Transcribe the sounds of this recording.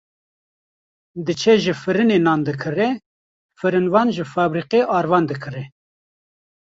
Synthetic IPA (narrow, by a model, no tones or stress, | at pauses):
d̪ɨt͡ʃʰɛʒɨfɨɾɨnenɑːnd̪ɨkʰɨrɛ | fɨɾɨnvɑːnʒɨfɑːbɾiːqeʔɑːɾvɑːnd̪ɨkʰɨɾɛ